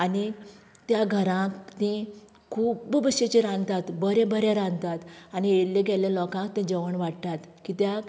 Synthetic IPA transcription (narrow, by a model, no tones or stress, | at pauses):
ani | t̪jaɡʱəɾãkt̪ẽ | kʰuːbbəɕet͡ɕẽɾãnt̪at̪bəɾẽbəɾjaɾãnd̪t̪at̪anieɽleɡʱɛljalɔkãkt̪ẽd͡ʑəʋəɳʋaʈt̪at̪ | kit̪jak